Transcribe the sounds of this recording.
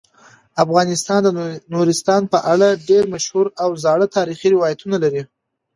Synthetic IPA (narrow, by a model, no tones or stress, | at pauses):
afɣɑnɪst̪ɑnd̪ənuɾɪst̪ɑnpəʔaɽaɖeɾmaʃhuɾawzɑɽət̪ɑɾixiɾɪwɑjat̪unalaɾi